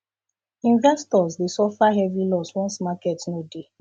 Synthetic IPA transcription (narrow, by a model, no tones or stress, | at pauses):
ĩnvɛstɔzdesɔfaɦɛvilɔswɔ̃nsmakɛtnode